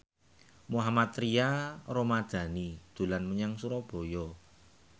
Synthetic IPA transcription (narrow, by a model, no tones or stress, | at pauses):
muɦamat̪ɾiaɾomad̪̥a̤nid̪̥ṳlanməɲaŋsuɾɔb̥o̤jɔ